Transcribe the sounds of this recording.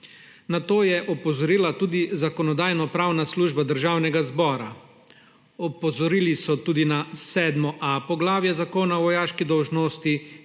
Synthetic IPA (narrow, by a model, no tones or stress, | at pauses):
nat̪oːjɛʔɔpɔzɔɾiːlat̪uːd̪izakɔnɔd̪aːjnɔpɾawnasluːʒbad̪əɾʒaːwnɛɡazbɔːɾa | ɔpɔzɔɾiːlisɔt̪uːd̪inasɛːd̪mɔʔapɔɡlaːwjɛzakoːnaʋɔjaːʃkid̪ɔwʒnoːst̪i